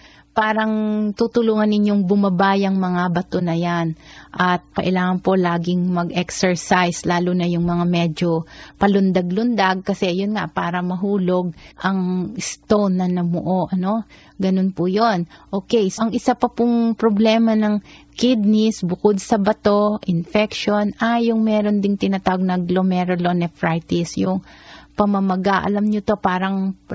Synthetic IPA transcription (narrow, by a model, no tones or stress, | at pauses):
paːɾɐŋt̪ut̪ʊluːŋɐnːɪɲjoŋbʊmɐbaːjɐŋmɐŋabɐt̪o̞nɐjanʔɐt̪̚kɐʔɪlaːŋɐnpo̞laːɡɪŋmɐɡɛksɛɹsajslaːlunɐjʊŋmɐŋamɛd͡ʒo̞pɐlʊnd̪aɡlʊnd̪aɡ̚kɐsɛjʊnŋaʔpaːɾɐmɐɦuːlo̞ɡ̚ʔɐŋɪst̪ownːɐnɐmʊʔo̞ʔɐno̞ | ɡɐno̞npʊjo̞nʔoːkɛjsʔɐŋʔɪsapɐpʊŋpɾoblɛːmɐnɐŋkɪd̪̚nɪsbʊkod̪̚sɐbɐt̪o̞ʔɪnfɛkʃo̞najʊŋmɛːɾo̞nd̪ɪŋt̪ɪnɐt̪aːwɐɡ̚nɐɡlomɛɾolonɛfɾajt̪ɪsjʊŋpɐmɐmɐɡaʔɐ̰lɐmɲot̪o̞paːɾɐŋ